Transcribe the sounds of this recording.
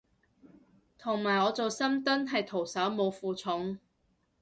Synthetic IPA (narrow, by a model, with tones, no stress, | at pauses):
t̪ʰʊ˨˩ŋmaː˨˩jɔː˨˧t͡so˨wsɐ˥mt̪ɵ˥nɦɐ˨jt̪ʰo˨˩wsɐ˨˥wmo˨˧wfuː˨t͡sʰʊ˨˥ŋ